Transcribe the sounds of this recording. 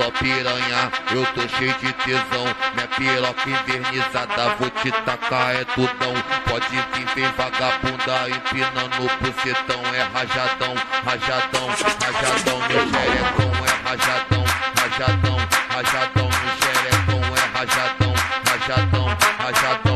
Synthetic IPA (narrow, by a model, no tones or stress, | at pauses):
ɔpiɾɐ̃ɲaewt̪oʃejʊd͡ʒɪt̪ezɐ̃w̃mĩɐpeɾɔkɐĩveɾnizad̪ɐvot͡ʃit̪akaɛd̪ud̪ɐ̃w̃pɔd͡ʒĩvĩveɾvaɡabũd̪aĩvenɐ̃nobuzet̪ɐ̃w̃ɛɦaʒad̪ɐ̃w̃haʒad̪ɐ̃w̃haʒad̪ɐ̃w̃miʒɛɾɛkõwɛɦaʒad̪ɐ̃w̃haʒad̪ɐ̃w̃haʒad̪ɐ̃w̃miʃɛɾɛkõw̃ɛɦaʒad̪ɐ̃w̃haʒad̪ɐ̃w̃haʒad̪ɐ̃